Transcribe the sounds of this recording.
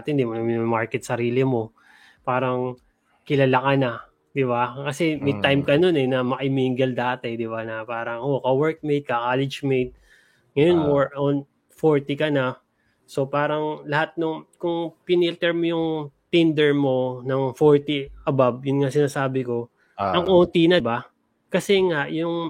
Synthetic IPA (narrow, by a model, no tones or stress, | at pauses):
t̪ɪnd̪imonɐmɪnmaɹkɛt̪̚sɐɾiːlɪmo̞ | paːɾɐŋ | kɪlɐlɐkanɐ | d̪ɪβakɐsɛmɐjt̪ajmkɐno̞nɛnɐmɐʔɪmiːŋɡɐld̪aːt̪ɛd̪ɪbanɐpaːɾɐŋkokɐwɛɹk̚mejd̪̚kɐkaːlɪd͡ʒmejd̪̚ | ŋɐjo̞nmoɹon | foɹt̪ikɐna | so̞paːɾɐŋlɐhat̪̚nʊŋkʊŋpɪnilt̪ɛɹmojʊŋt̪ind̪ɛɹmo̞nɐŋfoɹt̪iɐbabjʊnŋasɪnaːsaːbɪko̞ | ʔɐŋʔont̪inɐba | kɐsɛŋaʔjʊŋ